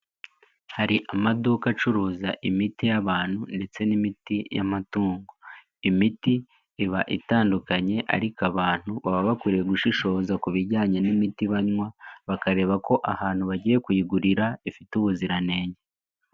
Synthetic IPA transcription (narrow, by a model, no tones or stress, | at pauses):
haɾiʔamadukat͡ʃuɾuːzaʔimitijaβaːn̥hunde̞t͡se̞nimitija̰matuːŋɡo | imitiː | βaʔitaːndukaɲe̞ʔa̰ɾikaβaːn̥huβaβaβakuɾijeɡuʃiʃo̞ːzakuβiɾɟaːɲe̞nimitiβaɲwaβakaɾe̞ːβako̞ʔahaːn̥huβaɟiːje̞kujiɡuɾiɾaifituβuziɾane̞ːɲe